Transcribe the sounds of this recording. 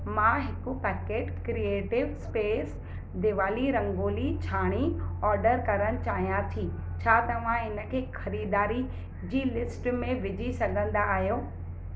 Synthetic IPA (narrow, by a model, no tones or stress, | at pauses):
mãɦɪkʊpɛːkeːʈkɾieːʈɪʋspeːs | d̪ɪʋaːliɾɐ̃ŋɡoːlit͡ɕʰaːɽ̃iɔːɾɖəɾkɐɾəɽ̃ɪ̆t͡ɕaːɦijãt̪ʰi | t͡ɕʰaːt̪ɐʋ̤ãɪnə̆kʰeːxɐɾiːd̪aːɾi | d͡ʑiːlɪsʈmẽʋɪd͡ʑʱisɐɡʱə̃nd̪aːɦijoː